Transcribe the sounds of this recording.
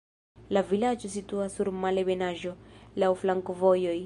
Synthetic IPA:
lavilad͡ʒos̬it̪uasuɾmalebenaʒolawflaŋkovojoj

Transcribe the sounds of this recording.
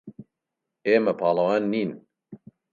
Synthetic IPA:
eːmɐpʰɑːlˠɐwaːnːiːn

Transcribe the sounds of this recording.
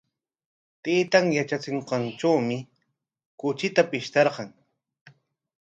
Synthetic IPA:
t̪ejt̪aŋjat͡ʃat͡sɪɴqɑnʈ͡ʂawmɪ | kʊt͡ʃɪt̪apɪʃt̪ɑɾqɑŋ

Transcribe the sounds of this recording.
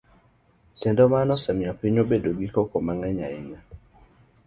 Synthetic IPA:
kɛndɔmanɔsɛmɪapiɲobedoɡikɔkomaŋɛɲa̰ɪɲa

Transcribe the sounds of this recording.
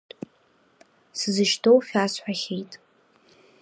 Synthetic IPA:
sɨzɨʃtʰowfʲasħʷᶣaχʲejtʼ

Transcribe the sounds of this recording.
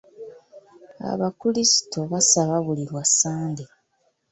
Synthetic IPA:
a̰βakulisi̥to̞βasaβaβuliɾwasːaːnde

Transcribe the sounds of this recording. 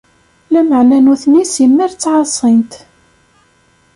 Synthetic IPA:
læməʕnænuθnisimːiɾt͡sːʕɑsˤint̪

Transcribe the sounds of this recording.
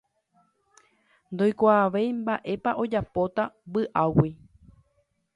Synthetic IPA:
nd̪o̞jkʷaːʋe̞jmbaʔe̞paʔo̞d͡ʒapo̞t̪abɨʔawi

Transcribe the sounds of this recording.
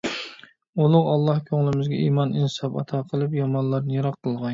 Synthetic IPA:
olˠʊʁɑlˠːɑhkʲʰøŋlˠɪmɪzɡʲɛiːmɑninsɑpɑ̰t̪ʰɑːqʰəlˠɨpjɑmɑnlˠɑɾnɨjɑɾɑqʰːəlˠʁɑn

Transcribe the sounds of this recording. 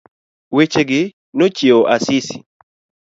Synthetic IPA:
wet͡ʃeɡɪ | not͡ʃeoʔasɪsi̥̰

